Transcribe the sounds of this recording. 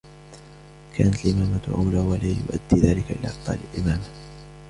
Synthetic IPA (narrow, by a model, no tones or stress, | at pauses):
kʰaːnat̪alʔɪmaːmat̪ʔa̰wlaːwalaːjʊ̰ʔa̰d̪ːiːðaːlɪkaʔɪla̰ːʔ̚t̪ˤːɑ̰ːlɪlʔɪmaːma